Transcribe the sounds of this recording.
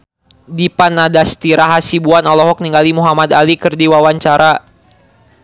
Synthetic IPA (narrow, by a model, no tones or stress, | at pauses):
dipanadast̪iɾaɦasibuanɔlɔɦɔk̚niŋɡalimuɦamad̪alikɨrdiwawaɲt͡ʃaɾa